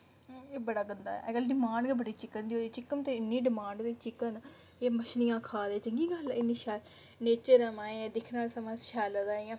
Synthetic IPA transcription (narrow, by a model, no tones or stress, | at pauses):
eːbəɽaːɡənd̪a̰ɛ̰kəlɖɪmãːɳɖɡebəɽiːt͡ʃɪkənd̪ioːiːt͡ʃɪkəmt̪ẽːɪnːĩːɖɪmãːɳɖd̪eːt͡ʃɪkən | eːməʃnɪjãːkʰaːd̪eːt͡ʃəŋɡiːɡəlɪnːĩːʃaːl | neːt͡ʃəɾəmaːẽːẽːd̪ɪkʰnaːlsəmãːsʃaːləzaːijãː